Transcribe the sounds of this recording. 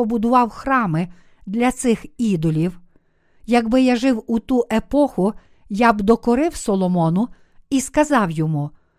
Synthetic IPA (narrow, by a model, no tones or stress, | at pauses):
ɔbʊd̪ʊʋɑwxrɑmɪ | d̪lʲɐt̪sɪxid̪ɔlʲiw | jɐɡbɪjaʒɪwut̪uʔepɔxʊ | jɑbd̪ɔkɔɾɪwsɔlˠɔmɔnʊ | iskɐzɑwjɔmu